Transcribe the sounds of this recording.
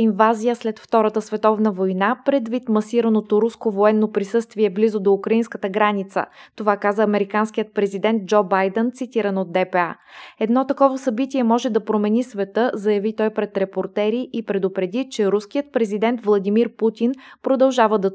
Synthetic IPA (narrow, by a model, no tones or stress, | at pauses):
invazijəslɛt̪ft̪ɔɾət̪əsvɛt̪ɔvnəvojnapɾɛd̪vit̪mɐsiɾənot̪oɾuskovoɛnːopɾisɤst̪viɛblizod̪oukɾɐinskət̪əɡɾanit̪sə̰t̪ovakazəɐmɛɾikansk̟ijət̪̚pɾɛzid̪ɛnt̪̚d͡ʒɔbajd̪ɛnt̪sit̪iɾənod̪̚d̪ɛpɛaɛd̪nɔt̪ɐkɔvəsɐbit̪ʲiɛmɔʒɛd̪ɐpɾomɛnisvɛt̪ɤzɐjɐvit̪ɔjpɾɛt̪ɾɛpoɾt̪ɛɾiʔipɾɛd̪ʊpɾɛd̪it͡ʃɛɾusk̟ijət̪̚pɾɛzid̪ɛnt̪vlˠɐd̪imiɾput̪ʲinpɾod̪ɐlˠʒavəd̪ɐ